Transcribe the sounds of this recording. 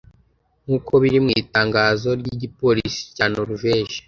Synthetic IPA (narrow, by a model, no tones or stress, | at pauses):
ŋ̥uːko̞βiɾimŋiːtaːŋɡaːzo̞ɾɟiɟipo̞ɾisi̥caːnoɾuveːʃe̥